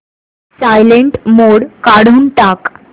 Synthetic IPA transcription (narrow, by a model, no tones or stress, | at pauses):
sajleɳʈmoɽkaɽ̤uːnʈak